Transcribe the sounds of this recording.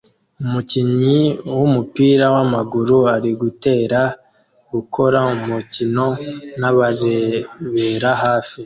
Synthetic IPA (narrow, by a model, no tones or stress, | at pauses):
umuciɲiwumupiːɾawamaɡuɾuaɾiɡute̞ːɾa | ɡ̥ukʰo̞ɾaumucino̞naβaɾeβe̞ɾaɦaːfi